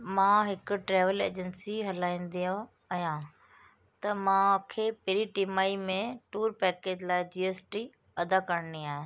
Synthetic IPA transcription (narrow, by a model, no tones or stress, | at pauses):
mãɦɪkʊ̆ʈɾɛːʋəlḛːd͡ʑənsiɦɐlaːĩːn̆d̪iõ | ɐɦjã | t̪ɐmãkʰeːpɪɾiʈimaːimẽʈuːɾpɛːkeːd͡ʑlaːɪd͡ʑiːeːsʈi | ɐd̪akɐɾniaːɦẽ